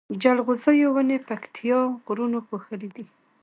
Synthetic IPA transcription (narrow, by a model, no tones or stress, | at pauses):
d͡ʒalɣʊzəjowənepakt̪ʰijɑɣɾunoxoxəlid̪i